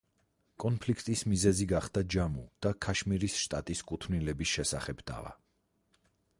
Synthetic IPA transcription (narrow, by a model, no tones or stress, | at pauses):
kʼɔnpʰlikʰt̪ʼismizɛziɡaχd̪ad͡ʒamud̪̥akʰaʃmiɾisʃt̪ʼat̪ʼiskʼut̪ʰvnilɛbisʃɛsaχɛbd̪a̰va̰